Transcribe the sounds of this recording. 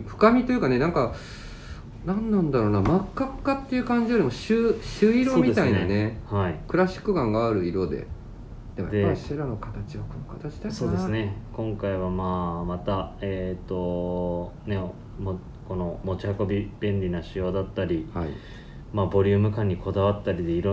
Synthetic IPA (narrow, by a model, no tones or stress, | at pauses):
ɸɯ̟̥kamʲit̪o̞jɯ̟kane̞nãŋka | nãnːãnd̪aɾo̞ːnamakːaːat̪ːejɯ̟kãɲ̟d͡ʑioɾʲimoɕɨːɕɨːiɾso̞omʲid̪et̪inane̞haikɯ̟ɾaɕi̥kːɯ̟ɡãŋɡaːɾɯ̟iɾo̞d̪e̞̰ | d̪ead̪eɕiɾano̞kat̪at͡ɕiβako̞nokat̪at͡ɕi̥d̪asoːd̪esɨne̞kõ̞ŋkaiβ̞amaːmat̪aeːt̪ːo̞ | ne̞ | mo | ko̞no̞mo̞t͡ɕihako̞bʲib̥ẽ̞nɾʲinaɕɨjo̞ːd̪at̪ːaɾʲiai | maːbo̞ɾʲɯ̟ːmɯ̟kãɲ̟ːiko̞d̪aβat̪ːaɾʲid̪e̞iɾo